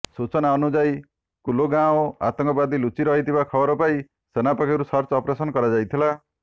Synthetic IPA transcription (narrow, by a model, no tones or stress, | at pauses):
sut͡ʃɔnaɔnud͡ʒaj | kuloɡãõa̰t̪ɔŋkɔbad̪ilut͡ʃiɾɔɦit̪ʰibakʰɔbɔɾɔpai | senapɔkʰiɾusɔɾt͡ʃɔːpɔɾesɔnɔkɔɾad͡ʒajt̪ʰila